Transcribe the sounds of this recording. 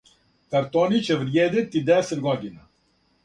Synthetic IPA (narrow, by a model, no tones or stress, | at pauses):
k̪ɐɾt̪oːnit͡ʃeʋɾjeːd̪et̪id̪ɛsed̪ɡɔd̪ina